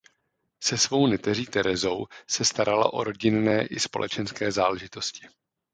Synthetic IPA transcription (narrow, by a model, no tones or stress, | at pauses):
sɛsvo̞wnɛt̪ɛriːt̪ɛɾɛzowsɛst̪aɾala̰ʔo̞ɾo̞ɟɪnːɛːʔɪspo̞̰lʔɛ̰t͡ʃɛnskɛːzaːlɛʒɪt̪o̞scɪ̥